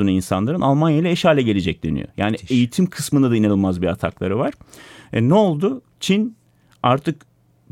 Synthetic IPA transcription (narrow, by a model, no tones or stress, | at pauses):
uninsa̰nlˠaɾɯnʔalˠmanjajilˠɛeʃhaːlʲɛɟe̞lʲed͡ʒɛc̚d̪øny̰jo̰jʔa̰ːnie̞jit̪ʰimkʰɯsmɯnd̪ad̪ainanɯlˠmazbiɾat̪ʰa̰klˠaɾɯvaɾ̥ɛnɛolˠd̪ʊ | t͡ʃʰin | aɾt̪ʰɯk